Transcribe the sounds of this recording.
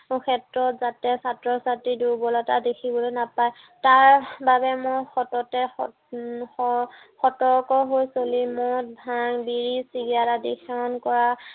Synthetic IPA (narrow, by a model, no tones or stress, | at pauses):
mʊkʰɛtɹɔtzatɛsatɹɔsatɹidubɔlɔtadekʰibɔlojnapaj | taɹbabɛmoxɔtɔtɛɔ | ɔ | xɔtɔɹkɔɦojsolimɔt̚bʱaŋbiɹisiɡiaɾadixʰɛɔnkɔɹa